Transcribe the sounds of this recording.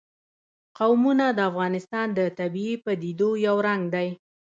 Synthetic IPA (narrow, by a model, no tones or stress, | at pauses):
qawmunad̪əafɣɑnɪst̪ɑnd̪ət̪abiepəd̪id̪ojawɾaŋɡd̪aj